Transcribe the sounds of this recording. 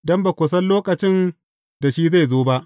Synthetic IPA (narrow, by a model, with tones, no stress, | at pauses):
dɔ˦mba˨kʷʊ˨s̬ɐ˦nloː˦kʼɐ˨t͡ʃɪ˦n | da˨ʃiː˦za˦˨jzoː˦ba˦ʔ